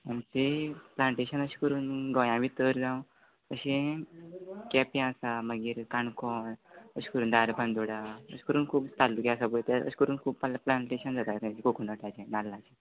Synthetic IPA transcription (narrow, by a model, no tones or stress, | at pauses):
mant̪eplãɳʈeɕənəɕi̥kəɾuːnɡɔ̃jãʋit̪əɾd͡zãw̃ | əɕẽ | kɛpiãsaməɡiːɾkaɳkɔnəɕi̥kəɾuːnd̪aɾbãnd̪oɽaə̰ɕi̥kəɾuːnkʰuːbt̪alːukɛasabət̪ɛə̰ɕkəɾuːnkʰuːbpalaplãɳʈeɕənd͡zat̪at̪ãt͡ɕikokunəʈat͡ɕɛ̃nalːat͡ɕẽ